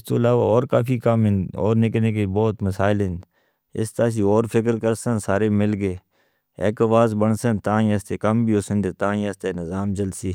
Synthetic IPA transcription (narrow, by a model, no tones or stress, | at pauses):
ɪst̪oːəlaːʋa̰ːɔːɾkaːfiːkamɦɪnɔːɾnɪkneːk̬ebɔːt̪məsaːɪlɦɪ̃nd̪ | ɪ̰st̪aːs̬iːɔːɾfʰɪkəɾkəɾsə̃nsaːɾeːmɪlɡeː | ḛːkəʋaːzbəɳsə̃nt̪ãːĩəst̪eːkəmbʱiːoːsə̃nd̪eːt̪ãːəst̪eːnɪzaːmd͡ʒəlsiː